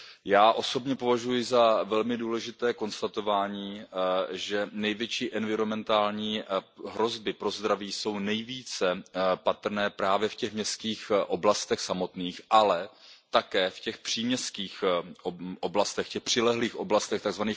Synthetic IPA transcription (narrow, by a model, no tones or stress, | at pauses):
jaːʔo̞so̞bɲɛpo̞vaʒujɪzavɛlmɪduːlɛʒɪt̪ɛːko̞nst̪at̪o̞vaːɲiːʒɛnɛjvjɛt͡ʃiːʔɛnvɪɾo̞mɛnt̪aːlɲiːɦɾo̞zbɪpɾo̞zd̪ɾaviːso̞wnɛjviːt͡sɛpat̪r̩nɛːpɾaːvjɛfcɛxmɲɛst̪kiːxʔo̞blast̪ɛxsamo̞t̪niːxʔalɛt̪akɛːfcɛxpr̥iːmɲɛskiːx | ʔoblast̪ɛxcɛxpr̝̥ɪlɛɦliːxʔo̞blast̪ɛxt̪aɡzvaniːx